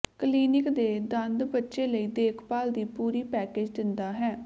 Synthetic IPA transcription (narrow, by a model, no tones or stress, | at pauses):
kliːnɪkd̪eːd̪ə̃nd̪bətːʃeːləiːd̪eːkʰpaːld̪iːpuːɾiːpɛːkeːd͡ʒd̪ɪnd̪aːɦɛː